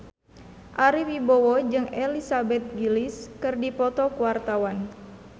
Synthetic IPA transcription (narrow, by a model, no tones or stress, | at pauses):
ʔaɾiwibowɔd͡ʒɨŋɛlisabɛt̪̚ɡiliskɨrdipɔt̪ɔkuwart̪awan